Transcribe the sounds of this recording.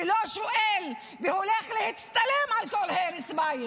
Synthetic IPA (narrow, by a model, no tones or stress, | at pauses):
loʃʊʔel | vɪhʊlexlɪhɪt̪st̪alimʕalkolheɾɪsbaj